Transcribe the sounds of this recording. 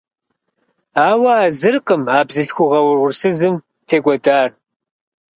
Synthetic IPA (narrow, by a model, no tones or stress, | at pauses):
aːwɐaːzɨrqəmaːbzɨɬxʷʊʁɐwʊrʁʷʊrsɨzɨm | tʰeːɡʷɔdaːr